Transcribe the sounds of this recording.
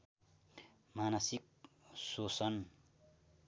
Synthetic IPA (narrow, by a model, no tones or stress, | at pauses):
maːnʌsik̚ | sosʌn